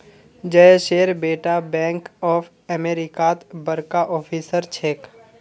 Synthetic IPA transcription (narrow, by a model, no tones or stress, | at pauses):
d͡ʒəʃeːɾbeːʈabɛ̃ːŋkɔːpʰ | ɛmeːɾɪkat̪bəɾkaʔɔːpʰiːsəɾt͡ʃʰeːk